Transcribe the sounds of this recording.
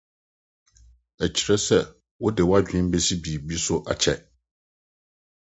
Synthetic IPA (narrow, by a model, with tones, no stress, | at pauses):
æ˨t͡ɕʰi˨ɾɛ˦sɛ˦˨ | wʊ˦dɪ˨wa˦d͡ʑᶣɪ̃˦m˦be˦si˦bi˨bi˦sʊ˦ʔa̰˨t͡ɕʰɛ˨